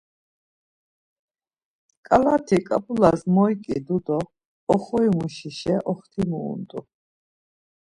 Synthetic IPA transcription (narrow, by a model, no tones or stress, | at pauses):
kʼalat̪ʰikʼapʼulasmɔjkʼḭd̪ud̪ɔː | χɔimuʃiʃɛʔɔχt̪ʰimṵːnd̪ʼṵ